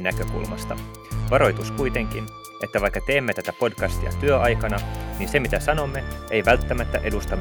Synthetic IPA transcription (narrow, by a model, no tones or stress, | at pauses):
nækøkṵlmɑ̰st̪ɑ | ʋɑɾo̞jt̪uskujt̪e̞ŋk̟in | ʔe̞t̪ːæʋɑjkːɑt̪e̞ːmːet̪æt̪æpo̞dkɑst̪ḭɑ̰t̪yøʔɑjkɑnɑniːnsemit̪æsɑno̞mːe̞ejʋælt̪ːæmæt̪ːæʔe̞dust̪ɑm